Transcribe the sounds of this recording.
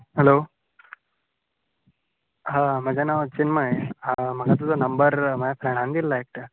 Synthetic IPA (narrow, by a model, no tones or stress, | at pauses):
ɦelo | ɦaməd͡ʑʱanaʋət͡ɕinməeam̤əɡat̪̬ud͡zanəmbəɾməjapɾɛɽ̃ãnd̪ilːaek̚ʈə